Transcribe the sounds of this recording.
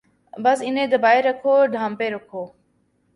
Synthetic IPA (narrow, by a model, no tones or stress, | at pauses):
bəsɪnẽːd̪əbaːiɾəkʰoːɖʱaːmpeːɾʊkʰoː